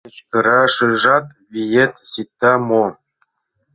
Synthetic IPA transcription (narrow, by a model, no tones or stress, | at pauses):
t͡ɕkɤ̆ɾɑʂɯʐɑt̪ | vʲijet̪ʲsit̪ːɑmo